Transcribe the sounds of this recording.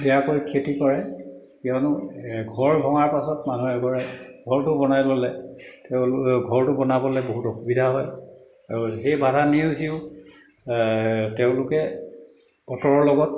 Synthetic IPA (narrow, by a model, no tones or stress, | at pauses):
bɛjakojkʰetikɔɹɛ | kianʊɡʱɔɹbʱɔŋaɹpasɔtmanuɦɛɡʱɔɹɛɡʱɔɹtʊbɔnajlolɛteʊ̃ɡʱɔɹtʊbɔnabɔlɛboɦutɔxubidʱaɦɔj | aɹuxejbadʱaniusiʊ | teʊ̃lʊkɛ | b̥ɔtɔɹɔɹlɔɡɔt̚